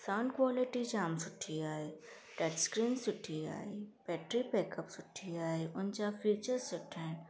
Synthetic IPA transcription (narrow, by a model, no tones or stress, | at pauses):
saːnkwaːlɪʈid͡ʒaːmsʊʈʰːiaːe | ɖɛʈskɾiːnsʊʈʰːia̰ːibɛːʈɾipɛːkəpsʊʈʰːiaːeʊnt͡ʃafiːt͡ʃəɾsʊʈʰːɛːn